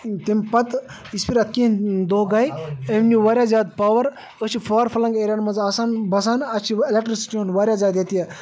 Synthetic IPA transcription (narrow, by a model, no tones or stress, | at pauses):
t̪impɐt̪ | ispiɾɐt̪̚kĩd̪oːɡɐjemniʋɐɾʲjaːzʲaːd̪paːʋɐɾ | ət͡ʃʰipʰaːɾpʰɐlɐŋɡeɾʲaːnmɐnzaːsaːnbɐs̬aːnɐt͡ʃʰielek̚ʈɾisi̥ʈionʋaɾʲjaːzʲaːd̪jet̪ije